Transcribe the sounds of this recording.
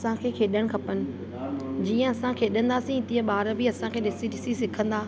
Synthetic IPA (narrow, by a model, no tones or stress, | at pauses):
sãkʰeːkʰeːɗəɽ̃̆kʰɐpənɪ̆ | d͡ʑiːə̃ɐsãkʰeːɗə̃nd̪asĩt̪iə̃ɓaːɾəbʱiɐsãkʰeːɗɪsiʈɪsisɪkʰə̃nd̪aː